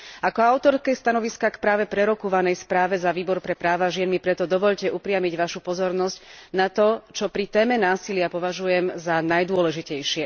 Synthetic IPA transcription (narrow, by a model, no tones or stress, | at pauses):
akɔaʊt̪ɔɾskɛjst̪anɔʋiskakpɾaːʋɛpɾɛɾɔkuʋanɛjspɾaːʋɛzaʋiːbɔɾpɾɛpɾaːʋaʒɪɛnmipɾɛt̪ɔd̪ɔʋɔʎcɛʔupɾɪamiɟʋaʃupɔzɔɾnɔscnat̪ɔt͡ʃɔpɾit̪ɛːmɛnaːsilɪapɔʋaʒujɛmzanajd̪ʊɔlɛʒicɛjʃɪɛ